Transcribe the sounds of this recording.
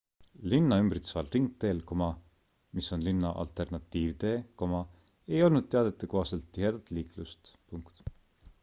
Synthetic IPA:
linːɑymbrit̪svɑlriŋk̚t̪e̞ːlkomɑ | miso̞nlinːɑ̰ʔɑ̰lt̪ˑe̞rnɑt̪ˑːiːvd̪̥e̞ko̞mɑ | e̞jo̞lnud̪̥̚t̪e̞ɑd̪̥e̞t̪ːˑekohɑselt̪ːihɦe̞d̪̥ɑt̪ːˑliːklust̪puŋkt̪

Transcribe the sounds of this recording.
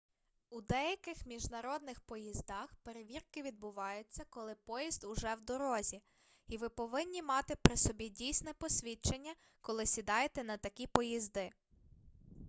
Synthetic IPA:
ud̪ɛjɐkɪxmʲiʒnɐɾɔd̪̚nɪxpɔjizd̪ɑxpeɾeʋʲirkɪʋʲid̪̚bʊʋɑjʊt͡sʲːɐkɔlˠɪpɔjizd̪ʊʒɛwd̪ɔɾɔzʲi | iʋɪpɔʋɪnʲːimɑt̪ɪpɾɪsɔbʲidʲijsʲnɛpɔsʲʋʲit͡ʃenʲːɐ | kɔlˠɪsʲid̪ɑjet̪ɛnɐt̪ɐkʲipɔjizd̪ɪ

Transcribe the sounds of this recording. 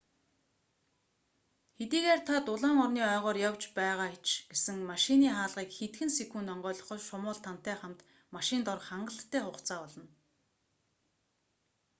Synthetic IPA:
xet̪iːɣeːrt̪ʰat̪ʊɮaːŋɔrniːœːʁɔːrjawt͡ɕpæːʁaːt͡ɕɡesɘ̆ŋmaʃɪniːχaːɮʁiːkxet̪ɡɘ̆nsekuːnɔɴɢœːɮɞ̆χɞ̆ʃʊmʊːɮt̪ʰan̥t̪æːχam̥t̪ | maʃɪ̆nt̪ɔrχaɴɢə̆ɬt̪ʰːæːχʊχt͡sʰaːɔɮɞ̆n

